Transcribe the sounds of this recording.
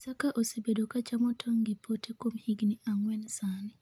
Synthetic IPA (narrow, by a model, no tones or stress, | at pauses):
sakaʔosebedokat͡ʃamɔtʰɔŋɡɪpʰotʰekwomhiɡniʔaŋwɛnsani